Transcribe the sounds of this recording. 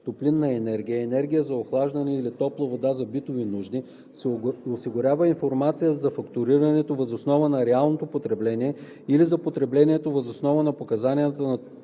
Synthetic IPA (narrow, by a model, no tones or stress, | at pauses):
t̪oplinːɐɛnɛɾɡʲijəɛnɛɾɡʲijəzɐoxlˠaʒd̪ɐnɛilit̪ɔplˠəvod̪azɐbit̪ovinuʒd̪i | sosiɡʊɾʲavəinfoɾmat̪sijəzɐfɐkt̪ʊɾiɾɐnɛt̪ovɐzosnɔvənɐɾɛalˠnot̪opot̪ɾɛblɛniɛ | ilizɐpot̪ɾɛblɛnʲiɛt̪ovɐzosnɔvənɐpokɐzanijət̪ənɐ